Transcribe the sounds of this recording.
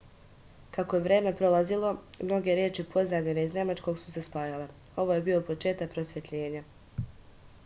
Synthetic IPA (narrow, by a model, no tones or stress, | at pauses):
kako̞je̞ʋɾe̞ːme̞pɾo̞lˠazilˠo̞mno̞ɡe̞ɾjeːt͡ʃipʰo̞zamʎeneizne̞mat͡ʃko̞ɡsu̥se̞spaːjale̞ | o̞ʋo̞je̞biopo̞t͡ʃe̞ːt̪ak̚pɾo̞sʋje̞t̪ʎe̞ːɲa